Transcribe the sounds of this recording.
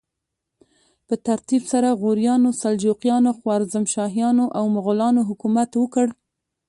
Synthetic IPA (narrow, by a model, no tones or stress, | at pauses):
pət̪aɾt̪ibsaɾaɣoɾjɑnosald͡ʒoqjɑnoxwɑɾzamʃɑɦijɑnoʔawmʊɣʊlɑnoɦʊkumat̪wəkəɽ